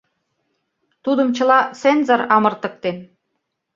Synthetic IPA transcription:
t̪ud̪ə̆mt͡ɕə̆lɑsenzɑɾɑmɤ̆rt̪ə̆k̚t̪en

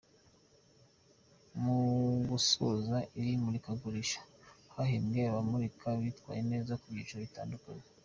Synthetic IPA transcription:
muɡusozaʔiɾimuɾikaɡuɾiʃḁhaɦemɡeβamuɾikʰaβitwa̰ːjene̞ːzakubiːt͡ʃoβita̰ːndukaɲe

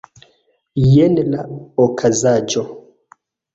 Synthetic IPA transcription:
jɛnlaɔkʰazad͡ʒo

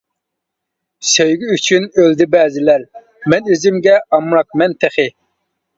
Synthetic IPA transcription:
søjɡʲɪyt͡ʃʰynøld̪ɪbɛːzɪlæɾ | mɛnizɪmɡʲɛɑmɾɑk̚mɛnt̪ʰɛχɪ

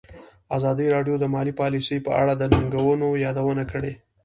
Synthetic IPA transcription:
azɑd̪iɾɑɖjod̪əmɑlipɑlisəjpəʔa̰ɽad̪ənaŋɡawənojɑd̪awənakəɽe

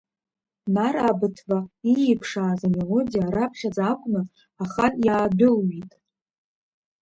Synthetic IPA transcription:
narabɨtʰvaijipʰʂaːzamelodʲijaɾapʰχʲad͡zakʷʼnɨ | aχanjaːdʊlɥitʼ

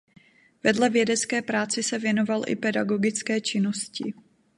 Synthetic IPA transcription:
vɛdlɛvjɛdɛt͡skɛːpɾaːt͡sɪsɛvjɛno̞valʔɪ̰pɛdaɡoɡɪt͡skɛːt͡ʃɪnoscɪ̰

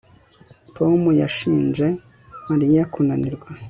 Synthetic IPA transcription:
tʰo̞mujaʃiːnd͡ʒe̞ | maɾijakunaniɾɡwa

